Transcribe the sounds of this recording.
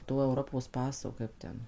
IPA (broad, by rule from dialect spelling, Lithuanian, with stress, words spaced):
ˈtoː ɛʊˈroːpoːs ˈpɑːsoː ˈkɐɪp tʲɛn